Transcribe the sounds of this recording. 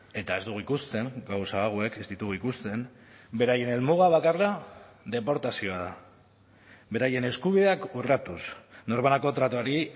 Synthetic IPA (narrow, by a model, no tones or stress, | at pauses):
e̞t̪ae̞zd̪uɣuikust̪e̞ŋɡawsaːɣ̞oe̞kezd̪it̪uɣuikust̪e̞n | be̞ɾaje̞ne̞lmuɣ̞aβ̞akarlaðe̞po̞ɾt̪asio̞aða | βe̞ɾaje̞ne̞skuβiðeakurat̪usno̞ɾβanako̞t̪ɾat̪uaɾi